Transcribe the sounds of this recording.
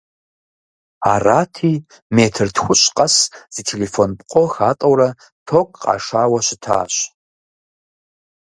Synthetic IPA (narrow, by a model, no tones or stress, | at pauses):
aːraːtʰiː | meːtʰɨrtʰxʷʊɕʼqʼɐsz̥itʰeːlefonpʼqʷʼɔxaːtʼɐwɾɐ | tʰoːkʰʼqɑ̰ːʂaːwɐɕɪtʰa̰ːɕ